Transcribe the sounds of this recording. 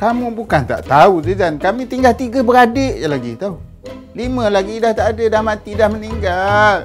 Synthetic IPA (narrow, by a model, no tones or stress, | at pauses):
kamũbukant̪a̰ʔt̪aud͡ʒəd͡ʒankamit̪iŋɡalt̪iɡəbəɾadəʔjalaɡḭt̪au | limə̃laɡidaht̪aʔadədahmat̪idahməniŋɡal